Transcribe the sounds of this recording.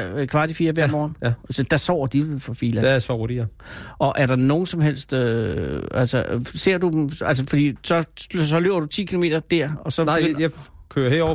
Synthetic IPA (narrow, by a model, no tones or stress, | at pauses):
kʰʋɑ̈d̥ifiːɐʋæɐmɒːn̩sd̥æsɒ̰ːd̥ifɒfiːlæ̥esɒoɾ̥iʔɒ̽ʔæɐɾ̥ɑ̈no̝ːn̩sɒ̽mɦel̰sd̥ø | æl̰səse̝ɐ̰d̥ud̥mæl̰səfɒd̥ḭːsɒ̽sɒ̽løʊɐd̥ut͡sʰḭːkʰilo̝me̝̰ːd̥ɐd̥æɐ̰ɒ̽sɒ̽jakʰøːɐheɒ̰